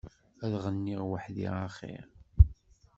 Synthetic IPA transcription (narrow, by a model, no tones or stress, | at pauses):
æðʁənːiʁwəħðḭʁaχḭ